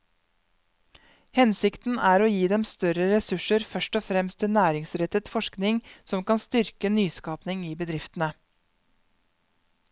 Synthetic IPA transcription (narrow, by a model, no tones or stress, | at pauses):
hɛnsɪkt̪n̩æːɾoːjiːd̪ɛmst̪œɾəɾɛsʉʂəɾfœʃʈɔfɾɛmst̪ʰːɪnæːɾɪŋsɾɛt̪ət̪fɔʂknɪŋsɔmkɑnst̪ʏɾkənyːskɑːpnɪŋiːbəd̪ɾɪft̪ənə